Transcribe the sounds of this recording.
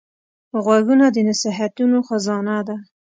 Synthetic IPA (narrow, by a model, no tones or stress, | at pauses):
ɣwaɡunad̪ənaseɦat̪unoxazɑnad̪a